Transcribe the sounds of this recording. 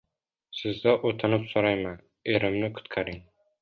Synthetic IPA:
sɪzd̪aʔot̪ʰɪnɪpsoɾajman | eɾɪmnɪkʰʊ̥t̪kʰaɾɪŋ

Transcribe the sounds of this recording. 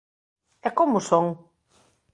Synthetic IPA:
ɛkomʊsoŋ

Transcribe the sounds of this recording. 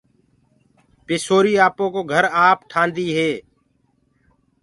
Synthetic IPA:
pɪsoːɾiːaːpõːkoːɡʱəɾaːpʈʰãːnd̪iːɦeː

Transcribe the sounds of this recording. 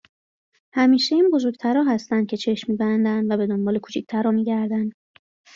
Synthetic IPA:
hæmiːʃeinbo̞zoɾɡ̚t̪ʰæɾɒːɦæst̪ænd̪̚cʰe̞t͡ʃʰe̞ʃmiːbænd̪ænd̪væbe̞d̪o̞nbɒːle̞kʰu̥ːt͡ʃʰic̚t̪ʰæɾɒːmiːɟæɾd̪ænd̪̥

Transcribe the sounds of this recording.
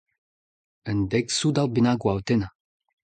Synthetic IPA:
ənd̪ɛksud̪awbinaɡwawt̪ena

